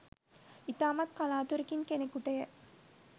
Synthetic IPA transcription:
it̪aːmɐt̪̚kalaːt̪uɾikiŋkenekuʈəjə

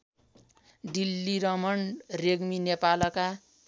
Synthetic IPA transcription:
ɖilːiɾʌmʌɳreɡminepalʌka

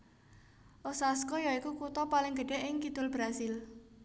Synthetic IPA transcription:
ʔɔsaskɔjɔikukut̪ɔpalɪŋɡə̤ɖ̥ɛ̤ʔɪŋkid̪̥ʊlb̥ɾasɪl

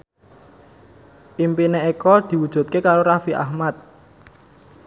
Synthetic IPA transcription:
ʔimpineekɔd̪̥i̤wud̥ʒ̥ṳt̪̚kekaɾoɾafiʔa̰hmat̪̚

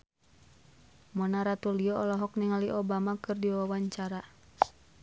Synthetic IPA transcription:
mɔnaɾat̪uliɔɔlɔɦɔk̚niŋaliʔɔbamakɨrdiwawawaɲt͡ʃaɾa

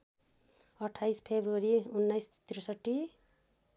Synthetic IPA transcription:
ʌʈʰajspʰebɾuʌɾiunːajst̪iɾʌsʌʈːi

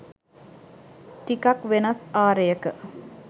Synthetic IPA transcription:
ʈikakʋenasaːɾəjəkə

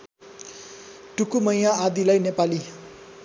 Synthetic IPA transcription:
ʈukumʌjaːd̪ilajnepali

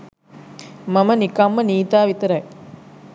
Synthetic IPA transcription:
mɐmənikɐmːəniːt̪aːʋit̪ɐɾɐj

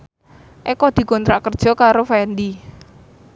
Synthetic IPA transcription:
ʔekɔd̪̥i̤kɔnt̪ɾaʔkərd̥ʒ̥ɔ̤kaɾofɛnd̪i

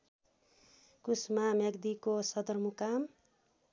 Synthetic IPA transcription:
kusmamʌɡd̪ikosʌd̪ʌrmukam

